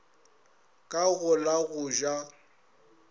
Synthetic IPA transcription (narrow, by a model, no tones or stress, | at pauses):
kʼaɣʊlaɣʊʒa